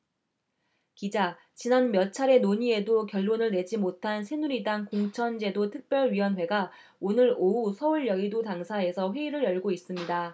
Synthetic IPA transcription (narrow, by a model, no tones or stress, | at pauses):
kid͡ʑa | t͡ɕinanmjʌt͡ɕʰaɾe̞noɲie̞dokjʌɭːonɯɭne̞d͡ʑimotʰansʰe̞nuɾidaŋkoŋt͡ɕʰʌnd͡ʑe̞dotʰɯk̚p͈jʌɭɥiwʌnwe̞ɡa | onɯɾousʰʌuɭjʌɡidotaŋsʰae̞sʰʌɸwe̞iɾɯɾjʌɭɡois͈ɯmɲida